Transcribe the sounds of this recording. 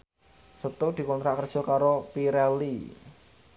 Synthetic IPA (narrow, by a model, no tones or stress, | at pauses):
sət̪ud̪̥i̤kɔnt̪ɾaʔkərd̥ʒ̥ɔ̤kaɾopiɾɛli